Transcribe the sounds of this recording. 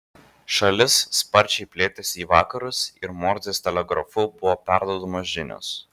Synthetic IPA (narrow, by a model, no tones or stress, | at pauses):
ʃɐlʲɪsːpɐɾʲt͡ʃʲɛɪpʲlʲeːt̪ʲɛsʲiːʋɑːkɐɾʊsɪɾmɔːɾʲzʲeːsʲt̪ʲɛlʲɛɡɾɐfʊbʊʋoːpʲæˑɾd̪uɔd̪omoːsʒʲɪnʲo̰ːs